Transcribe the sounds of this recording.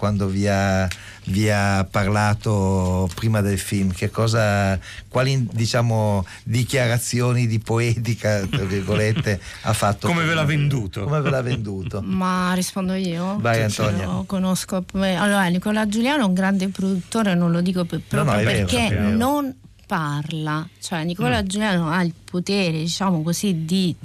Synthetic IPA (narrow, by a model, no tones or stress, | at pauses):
kwand̪ovia | viapːarlaːt̪opɾiːmad̪elfilmk̟ekːɔːzakwaːlid̪it͡ʃaːmo | d̪ikjaɾat̪sːjoːnid̪ipoet̪ikat̪ɾavirɡolet̪ːea̰fːat̪ːokomevelavend̪uːt̪oomevelavːend̪uːt̪omarːispond̪oiːovaɡant̪ɔnjaokonoskopɛalːoːɾanikɔlad͡ʒuljaːnouŋɡɾand̪epɾod̪ut̪ːoːɾenonlod̪iːkoppɾɔnɔɛeɾːɾkenːon | parlat͡ʃoɛnikɔlad͡ʒuljaːnoailpʰot̪eːɾed̪it͡ʃaːmokosid̪i